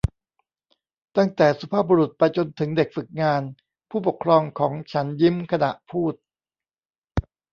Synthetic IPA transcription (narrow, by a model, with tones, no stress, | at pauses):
t̪a˥˩ŋt̪ɛː˨˩su˧˦˥pʰaː˥˩buː˧ɾu˨˩t̪̚pa˧jt͡ɕo˧nt̪ʰɯ˩˦ŋde˨˩k̚fɯ˨˩k̚ŋaː˧n | pʰuː˥˩po˨˩kʰɾɔː˧ŋkʰɔː˩˦ŋt͡ɕʰa˦˥nji˦˥mkʰa˧na˨˩ʔpʰuː˥˩t̪̚